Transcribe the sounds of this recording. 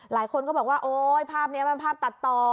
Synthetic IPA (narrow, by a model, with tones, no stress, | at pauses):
laː˩˦jkʰo˧nkɔː˥˩bɔː˨˩kwaː˥˩ʔoː˨˦jpʰaː˥˩p̚ni˦˥ɐma˧npʰaː˥˩p̪̚a˨˩t̪ːɔː˧